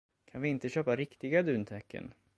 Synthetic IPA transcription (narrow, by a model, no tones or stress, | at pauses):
kʰanvɪɪnt̪əɕøːpaɾɪkt̪ɪɡad̪ʉ̟ːnt̪ʰɛkːə̰n